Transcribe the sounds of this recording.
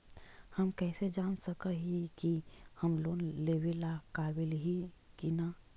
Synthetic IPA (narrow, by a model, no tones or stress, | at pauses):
həmkɛːsed͡ʒaːnsəkəɦikihəmloːnleːwelakaːbɪlɦi | kinaː